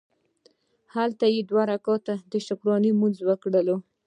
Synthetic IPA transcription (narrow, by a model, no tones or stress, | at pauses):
halt̪ajed̪waɾakɑt̪ad̪əʃʊkɾɑnimunzwəkɽəlo